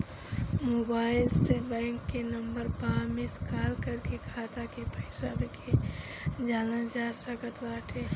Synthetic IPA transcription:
moːbaːɪlsebɛ̃ːŋkːenəmbəɾpaːmeskaːlkəɾkekʰaːt̪akepʰəɪsaɾekʰe | d͡ʒaːlə̃nd͡ʒaɾsəkət̪ʋaːʈʰe

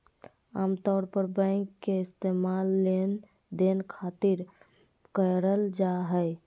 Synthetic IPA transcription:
a̰mt̪ɔɾpəɾbə̃ɪkːeɪst̪emalːen | d̪enkʰat̪iɾ | kəɾəld͡ʒaɦəj

